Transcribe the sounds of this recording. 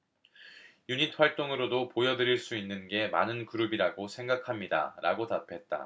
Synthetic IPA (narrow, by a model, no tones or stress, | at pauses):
juɲit̚ʰɸwaɭt͈oŋɯɾodopojʌdɯɾiɭs͈uinːɯnɡe̞ma̰nɯnkɯɾubiɾaɡosʰe̞ŋɡakʰamɲida̰ɾaɡotapʰe̞t̚t͈a̰